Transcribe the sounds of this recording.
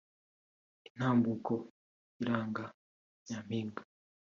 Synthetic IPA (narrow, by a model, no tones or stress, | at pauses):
in̥haːmbuko | iɾaːŋɡa | jaːm̥iːŋɡu